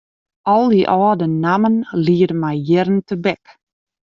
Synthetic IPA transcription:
ɔlˠdiʔɔːdənamənliːədəmajjɪɾəntəbɛk

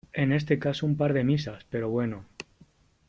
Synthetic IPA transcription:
e̞ne̞st̪e̞kasoumpaɾð̞e̞misaspe̞ɾo̞βwe̞no

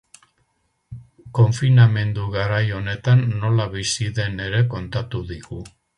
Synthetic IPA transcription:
ko̞ɱfiname̞nd̪uɣaɾajo̞ne̞t̪anːo̞laβisiðe̞ne̞ɾe̞ko̞nt̪at̪uðiɣu

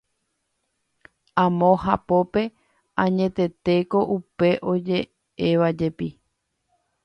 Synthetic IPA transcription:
ãmõ̞ɦa̰po̞pe̞ | ãɲẽ̞t̪e̞t̪e̞ko̞ʔupe̞ʔo̞d͡ʒe̞ | e̞ʋad͡ʒe̞pi

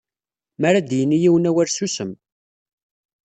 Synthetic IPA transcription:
mæɾad̪jənːijiwənæwæɾsusəm

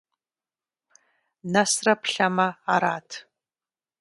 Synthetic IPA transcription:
nɐsrɐpɬɐmɐaɾaːtʰ

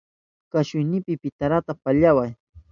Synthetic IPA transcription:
kaʃʊjnɪpɪpɪt̪aɾat̪apaʎawaj

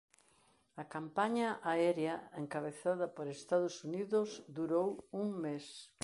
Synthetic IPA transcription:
ɐkampaɲɐʔaɛɾjɐeŋkaβeθaðɐpoɾest̪aðʊsuniðʊzd̪uɾowuŋmes

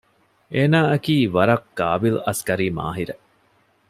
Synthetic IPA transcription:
ʔeːnaːɐkiːʋɐɾɐkːaːbilɐskɐɾiːma̰ːɦiɾe

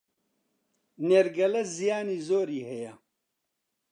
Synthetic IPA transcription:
neːɾɡɐlɐzijaːniːzoːɾiːhɐjɐ

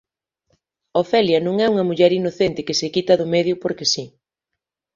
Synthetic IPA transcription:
ofɛljɐnõŋɛuŋɐmuʎɛɾinoθent̪ɪkɪsɪkit̪ɐðʊmeðjʊpoɾkesi

